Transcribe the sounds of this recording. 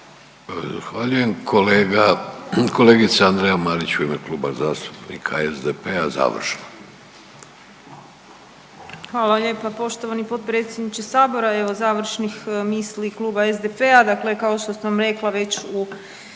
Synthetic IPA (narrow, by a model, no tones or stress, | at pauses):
za̰xʋaʎuje̞mkʰo̞leːɡako̞leːɡit̪seand̪ɾejamaɾit͡ɕuimekluːbazaːst̪u̥pnḭkʰaezd̪epeaza̰ːʋr̩ʃno | xʋaːlˠaʎe̞ːpapo̞ʃt̪oʋanipo̞t̪̚pɾe̞ːt̪sjed̪nit͡ʃesaːbo̞ɾae̞ʋo̞zaːʋr̩ʃnixmiːslikluːbaezd̪epe̞ad̪akle̞kao̞ʃt̪osaʋamɾe̞klaʋe̞t͡ɕu